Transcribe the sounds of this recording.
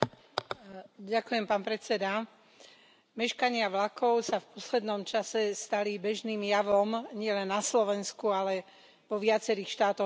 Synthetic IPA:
ɟakujɛmpaːnpɾɛt͡sɛd̪a | mɛʃkaɲɪaʋlakʰɔʊsafpɔslɛd̪nɔmt͡ʃasɛst̪alibɛʒniːmjaʋɔmɲɪɛlɛnːaslɔʋɛnskualɛ | ʋɔʋɪat͡sɛɾiːxʃt̪aːt̪ɔ

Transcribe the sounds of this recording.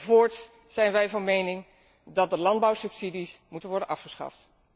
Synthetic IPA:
voːɹts | z̥ɛjnʋɛjvɑnmejnɪŋ | dɑt̚dəlɑndbɑwsɵpsidismutənʋɔɹdənʔɑfχəsχɑ̰ft

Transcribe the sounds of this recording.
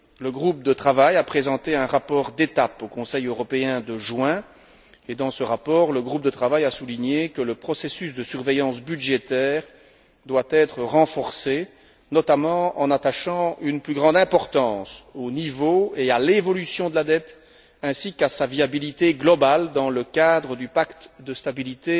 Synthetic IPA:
ləɡʁup̚d̪ət̪χavajapχezɑ̃t̪eɛ̃ʁapɔːʁd̪et̪apokɔ̃sɛjøʁɔpeɛ̃d̪əʒwɛ̃ | ed̪ɑ̃səʁapɔːʁləɡʁup̚d̪ət̪χavajasuliɲekələpχɔsesysd̪əsyʁvejɑ̃sbyʒet̪ɛːʁ | d̪wat̪ɛt̪χəʁɑ̃fɔʁse | nɔt̪amɑ̃ɑ̃nat̪aʃɑ̃ynplyɡʁɑ̃d̪ɛ̃pɔʁt̪ɑ̃sonivoealevɔlysjɔ̃d̪əlad̪ɛt̪ | ɛ̃sikasaviabilit̪eɡlɔbald̪ɑ̃ləkad̪ʁəd̪ypakt̪d̪əst̪abilit̪e

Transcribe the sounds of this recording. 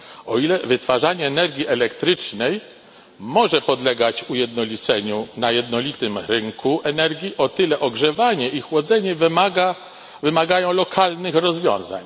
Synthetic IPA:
ɔilɛvɘt̪faʐaɲɛːnɛɾɡʲjiʔɛlɛkt̪ɾɘt͡ʂnɛj | mɔʐɛpɔd̪lɛɡat͡ɕujɛd̪nɔlʲit̪sɛɲunajɛd̪nɔlʲit̪ɘmɾɘŋkʰuʔɛnɛɾɡʲjiʔɔt̪ɘlɛʔɔɡʐɛvaɲɛixwɔd̪zɛɲɛvmaɡa | vɘmaɡajɔ̃w̃lɔkʰalnɘxɾɔzvʲjɔ̰̃w̃za̰ɲ

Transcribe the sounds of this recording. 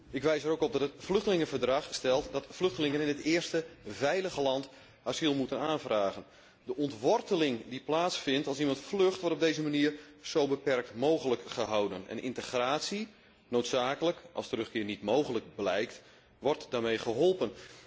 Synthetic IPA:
ɪkʋɛjsəɾowkɔb̚dɑtətflɵxtəlɪŋəvərdrɑχstɛlˠtdɑtflɵxtəlɪŋənɪnətɪːərstəvɛjləɣəlɑnt | azilˠmutənaːnvraːɣən | dəʔɔntʋɔrtəlɪŋdiplaːtsfɪntɑlˠsimɑntflɵxtʋɔrtɔb̚dejzəmaniərz̥owbəpɛrk̚tmowɣələkχəɦawdənɛ̰nʔɪ̰ntəxraːtsi | nowtsaːkələkʔɑ̰lˠstərɵχkɪːrnitmowɣələk̚blɛjkt | ʋɔrtdaːrmejχəɦɔlˠpən

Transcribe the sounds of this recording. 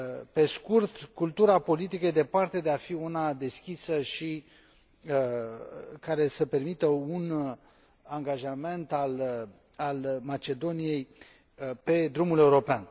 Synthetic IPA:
pe̞skurt̪kult̪uɾapo̞lit̪ikəjed̪e̞part̪e̞d̪eafiunad̪e̞skʲisəʃi | kaɾe̞səpe̞rmit̪əun | aŋɡaʒame̞nt̪al | almat͡ʃe̞d̪o̞nije̞j | pe̞d̪ɾumule̞uɾo̞pean

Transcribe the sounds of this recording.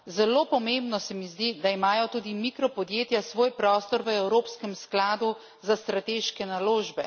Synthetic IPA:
zɛloːpɔmembnɔsɛmizd̪id̪aimaːjɔt̪uːd̪imikɾɔpɔd̪jeːt̪jasʋoːjpɾɔːst̪ɔɾʋəɛwɾoːpskɛmsklaːd̪u | zast̪ɾat̪eːʃkɛnaloːʒbɛ

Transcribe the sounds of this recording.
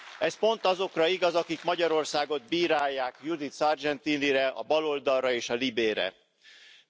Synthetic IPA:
ɛspo̞nt̪ɒzo̞krɒiɡɒzɒkikmɒɟɒɾo̞rsaːɡo̞d̪̚biːɾaːjːaːkjud̪it̪sɒrd͡ʒɛnt̪iːniɾɛɒ̰bɒlo̞ld̪ɒrrɒeːʃɒlibeːɾɛ̰

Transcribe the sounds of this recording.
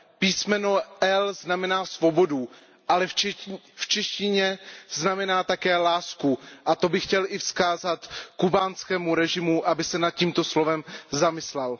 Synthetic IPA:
piːsmɛnoʔɛlznamɛnaːsvo̞bo̞du | ʔalɛfft͡ʃɛʃcɪɲɛznamɛnaːt̪akɛːlaːskuʔat̪o̞bɪxcɛlʔɪfskaːzat̪kubaːnskɛːmuɾɛʒɪmuʔabɪsɛnat̪̚ciːmt̪o̞slovɛmzamɪslɛl

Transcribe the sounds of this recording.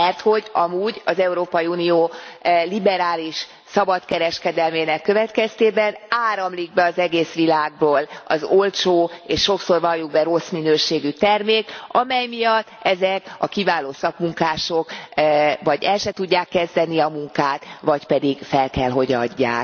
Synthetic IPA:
mɛrt̪ho̞ɟɒmuːɟɒzɛuɾoːpɒjiunioːlibɛɾaːliʃ | sɒbɒt̪kɛɾɛʃkɛd̪ɛlmeːnɛkːø̞vɛt̪kɛst̪eːbɛnaːɾɒmliɡ̚bɛɒzɛɡeːsʋilaːɡ̚boːlɒ̰zo̞lt͡ʃoːeːʃːo̞kso̞rvɒljuɡ̚bɛɾo̞sminøːʃeːɡyt̪ɛrmeːkɒmɛjmijɒt̪ːɛzɛkɒkivaːloːsɒkmuŋkaːʃo̞k | vɒɟɛlʃɛt̪uɟːaːkːɛzd̪ɛniɒmuŋkaːt̪ʋɒcpɛd̪iɡfɛlkɛlɦo̞ɟɒɟːa̰ːk

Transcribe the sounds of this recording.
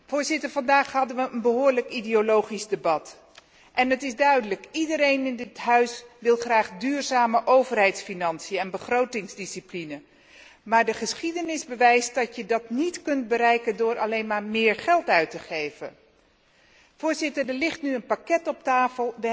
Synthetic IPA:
v̥ʊːɹzɪtəɹvɑndaːχɦɑdənʋəənbəɦʊːɹləkidiolowχizdəbɑt | ʔɛnətɪzdœɥdələkidəɾejnɪndɪtɦœɥsʋɪlˠχraːχdyːɹzaːməʔowvərɦɛjtsfinɑnsijəɛnbəχrowtɪŋzdisiplinə | maːɹdəχəsχidənɪzbəʋɛjst̚dɑtjədɑtnitkɵnt̚bəɾɛjkəndʊːɹʔɑlejnmaːɹmɪːɹχɛlˠtœɥtəχejvə̰ | v̥ʊːɹzɪtəɹdəlɪχtnyənpakɛtɔp̚taːfəlˠʋə

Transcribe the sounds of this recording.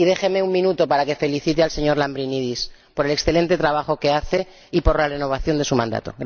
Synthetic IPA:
iðe̞xe̞me̞uŋmĩnut̪o̞paɾake̞fe̞liθit̪ealse̞ɲo̞ɾlambɾiniðis | po̞ɾele̞ksθe̞le̞nt̪et̪ɾaβ̞axo̞ke̞aθe̞ | ipo̞ɾlare̞no̞β̞aθjo̞nd̪e̞sumãnd̪a̰t̪o̞̰ɣ

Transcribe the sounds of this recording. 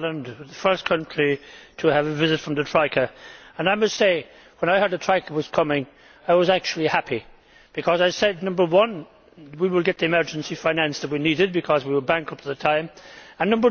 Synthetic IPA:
lə̃ndzðəfɜ˞skʰʌ̃nt͡ʃɹ̥itʰəːvɨvɪzɨtfɹʌ̃mðɨtʰɹ̥aɪkə˞ə̃naɪmʌstseɪ | wə̃ñaɪhɜ˞dətʰɹ̥aɪkʰə˞wʌz̥kʰʌmɪ̃ŋ | aɪwʌzæk̚t͡ʃul̩ˠihæpʰi | b̥ɨkʰʌzaɪsɛdⁿnʌ̃mbə˞wʌ̃n | wiwəlˠɡɛt̪̚ðiɨmɜ˞d͡ʒɨ̃n̩sifãɪ̃næ̃nsðət̚winiɾɨd̚bɨkʰʌzwiwəlˠbæ̃ŋkʌpl̩ˠðɨtʰãɪ̃mə̃nːʌ̃mbə˞

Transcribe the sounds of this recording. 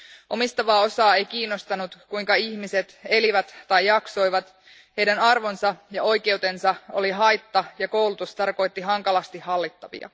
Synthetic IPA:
ʔo̞mist̪ɑʋɑːo̞sɑːe̞jk̟iːnːo̞st̪ɑnut̪kuiŋkɑiçmise̞t̪e̞liʋæt̪ːɑjːɑkso̞jʋɑt̪ | he̞jdænɑrʋo̞nsɑjɑo̞jke̞wt̪e̞nsɑo̞̰liɦɑjt̪ːɑjɑko̞wlut̪ust̪ɑrko̞jt̪ːiɦɑŋkɑlɑst̪ihhɑlːit̪ːɑʋḭɑ̰

